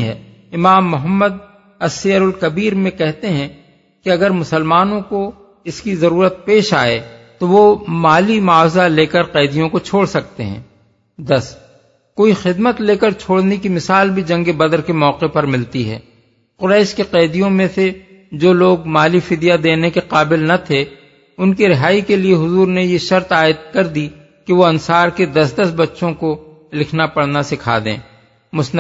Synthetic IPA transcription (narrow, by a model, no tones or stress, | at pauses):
ɦɛ̰ː | ɪmaːmːʊɦəmːəd̪̚ | ɐsijəɾʊlkɐbiːɾmẽkɛɦt̪eɦɛ̃ | kiɐɡəɾmʊsəlmaːnõko | ɪskizɐɾuːɾət̪̚peːʃa̰ːḛt̪oʋomaːlimaːfzaleːkəɾqɛːd̪ijõkot͡ʃʰoːɽsɐk̚t̪ḛɦɛ̰̃ː | d̪ɐs | koːixɪd̪mət̪leːkəɾt͡ʃʰoːɽnekimɪsaːlbʱid͡ʒɐ̃ŋɡebɐd̪əɾkemɔːqepɐɾmɪlt̪iɦɛ̰ː | qʊɾɛːʃkeqɛːd̪ijõmẽse | d͡ʒoːloːɡ̚maːlifɪd̪ijad̪eːnekeqaːbɪlnɐt̪ʰe | ʊnkeɾɪɦaːikelieɦʊzuːɾnejeʃɐɾt̪aːɪt̪̚kɐɾd̪i | kiʋoɐ̃nsaːɾked̪ɐsd̪ɐsbɐtːʃõko | lɪkʰnapɐɽnasɪkʰa̰ːd̪ḛ̃ː | mʊsn